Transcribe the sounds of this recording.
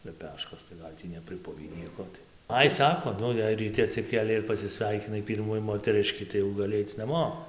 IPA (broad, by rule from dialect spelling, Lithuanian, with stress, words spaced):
lʲɛˈpʲæːʃkoːs tɐɪ ˈɡɐlʲ tʲiː nʲɛpʲrʲɪˈpʊʋʲiː ˈnʲiɛkoː tɐɪ ˈɐɪ ˈsɑːkoː ˈnʊ jɛɪ rʲiːˈtʲɪ ɐtʲsʲɪˈkʲeːlʲɛɪ ɪr pɐsʲɪˈsʲʋʲɛɪkʲɪnɐɪ ˈpʲiːrmuː moːtʲɛˈrʲɪʃʲkʲiː tɐɪ jɛʊ ɡɐˈlʲɪ ˈɐɪt͡s nɐˈmoː